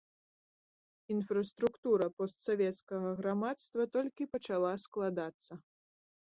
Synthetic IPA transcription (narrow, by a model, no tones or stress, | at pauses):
infɾɐst̪ɾukt̪uɾɐpɔst̪savʲɛt̪skɐɣɐɣɾamat̪st̪vɐt̪ɔlʲkʲipɐt͡ʂalˠasklˠad̪at̪sːɐ